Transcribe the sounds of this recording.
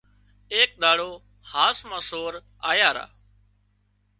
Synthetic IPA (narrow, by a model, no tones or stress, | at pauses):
eːk̚ɗ̪aːɽoː | haːsmãːsoːɾ | a̰ːjaːɾa̰ː